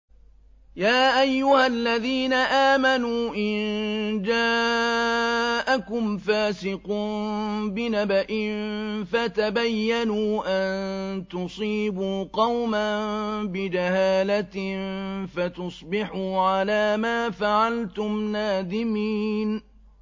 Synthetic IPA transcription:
jaːʔajːʊhalːaðiːnaʔaːmanuːʔɪnd͡ʒaː | ʔakʊmfaːsɪquːnbɪnabaʔɪnfat̪abajːanuːʔant̪ʊsˤiːbuːqɑwmanbɪd͡ʒahaːlat̪ | fat̪ʊsˤbɪħuːʕalaːmaːfaʕalt̪ʊmnaːd̪ɪmiːn

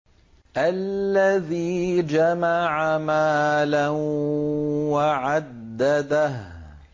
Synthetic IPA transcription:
ʔallːaðiːd͡ʒamaʕamaːla | waʕad̪ːad̪ah

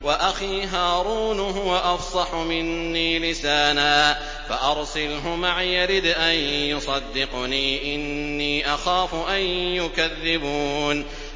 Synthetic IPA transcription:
waʔaxiːɦaːɾuːnɦʊwaʔɑfsˤɑħʊmɪnːiːlɪsaːnaː | faʔɑɾˤsɪlɦʊmaʕjaɾid̪ʔanjʊsˤɑd̪ːɪqniːʔɪnːiːʔaxaːfʊʔanjʊkaðːɪbuːn

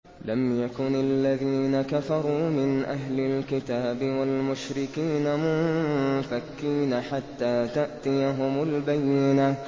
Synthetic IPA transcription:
lamjakʊnalːaðiːnakafɑɾˤuːmɪnʔaɦlɪlkɪt̪aːbɪwalmʊʃɾɪkiːnamʊmfakːiːnaħat̪ːaːt̪aʔt̪ɪjaɦʊmʊlbajːɪna

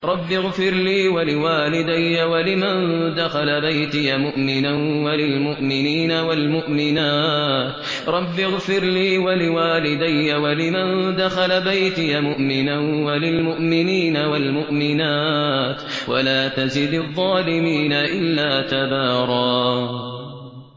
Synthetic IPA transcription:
ɾˤɑbːɪɣfɪɾliːwalɪwaːlɪd̪ajːawalɪmand̪axalabajt̪ɪjamʊʔmɪnanwalɪlmʊʔmɪniːnawalmʊʔmɪnaːt̪ | ɾˤɑbːɪɣfɪɾliːwalɪwaːlɪd̪ajːawalɪmand̪axalabajt̪ɪjamʊʔmɪnanwalɪlmʊʔmɪniːnawalmʊʔmɪnaːt̪wa̰laːt̪azɪd̪ɑðˤːɑːlɪmiːnaʔɪlːaːt̪abɑːɾˤɑː

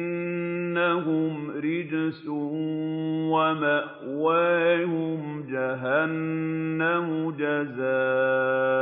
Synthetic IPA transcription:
nːaɦʊmɾɪd͡ʒsʊ | wamaʔ | wahʊm | d͡ʒaɦanːamʊd͡ʒazaː

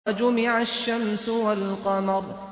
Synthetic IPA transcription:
d͡ʒʊmɪʕaʃːamsʊwalqɑmɑɾˤ

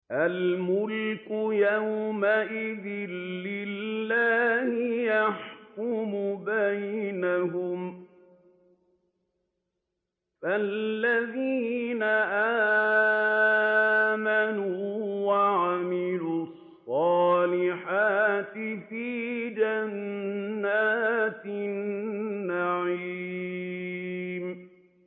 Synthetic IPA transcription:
ʔalmʊlkʊjawmaʔɪðɪnlɪllːaːhɪjaħkʊmʊbajnaɦʊm | falːaðiːnaʔaː | manuːwaʕamɪluɑsˤːɑːlɪħaːt̪ɪfiːd͡ʒanː | aːt̪nːaʕi | m

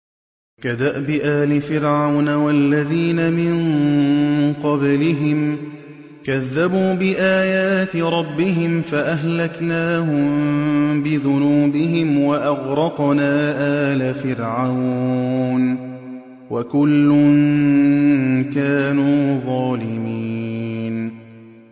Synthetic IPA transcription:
kad̪aʔbɪʔaːlɪfɪɾʕawnawalːaðiːnamɪn | qɑblɪɦɪm | kaðːabuːbɪʔaːjaːt̪ɪɾˤɑbːɪɦɪmfaʔaɦlaknaːhʊmbɪðʊnuːbɪɦɪmwaʔɑɣɾˤɑqnaːʔaːlafɪɾʕaw | n | wakʊlːʊn | kaːnuːðˤɑːlɪmiːn

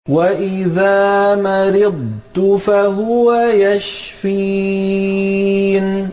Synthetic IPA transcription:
waʔɪðaːmaɾɪd̪̚ˤt̪ʊfaɦʊwajaʃfi | n

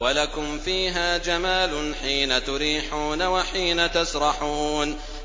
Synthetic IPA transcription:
walakʊmfiːɦaːd͡ʒamaːlʊnħiːnat̪ʊɾiːħuːnawaħiːnat̪asɾˤɑħuːn

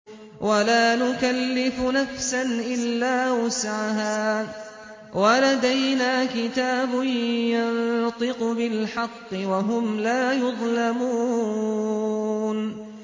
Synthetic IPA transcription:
wʔalaːnʊkalːɪfnafsanʔɪlːaːwasʕaɦaː | walad̪ajnaːkɪt̪aːbʊnjɑnt̪ˤɨqbɪlħɑqːɨwaɦʊmlaːjʊðˤlamuː | n

